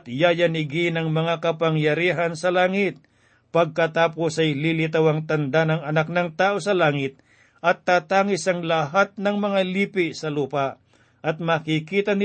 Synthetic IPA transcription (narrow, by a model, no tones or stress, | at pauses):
t̪jaːjɐnɪɡinɐŋmɐŋakɐpɐŋjɐɾiːɦɐnsɐlaːŋɪt̪̚ | pɐɡ̚kɐt̪aːposɐjlilɪt̪awɐŋt̪ɐnd̪anɐŋɐnak̚nɐŋt̪aːʔo̞sɐlaːŋɪt̪̚ | ʔɐt̪ːaːt̪aːŋɪsɐŋlɐɦat̪̚nɐŋmɐŋaliːpɪʔsɐluːpaʔ | ʔɐt̪̚mɐkikiːt̪ɐnɪ